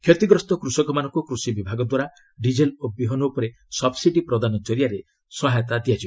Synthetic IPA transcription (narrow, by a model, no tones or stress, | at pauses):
kʰjɔt̪iɡɾɔst̪ɔkɾusɔkɔmanɔŋkukɾusibibʱaɡɔd̪waɾa | ɖid͡ʒelobiɦɔnuupɔɾe | sɔbsiʈipɾɔd̪anɔd͡ʒɔɾijaɾe | sɔɦajt̪ad̪ijad͡ʒʰi